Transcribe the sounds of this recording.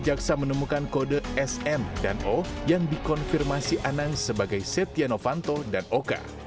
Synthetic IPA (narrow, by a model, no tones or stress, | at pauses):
d͡ʒaksamənəmukankodəɛsɛmdanojaŋdikɔnfirmasiʔanaŋsəbaɡajsɛt̪ianofant̪odanoka̰